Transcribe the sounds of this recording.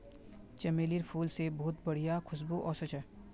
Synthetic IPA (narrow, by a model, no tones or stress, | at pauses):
t͡ʃɐmeːliɾpʰuːlsebɔɦʊt̪bɐɽ̤ijakʰʊs̬buʔɔːsɐt͡ʃʰɛ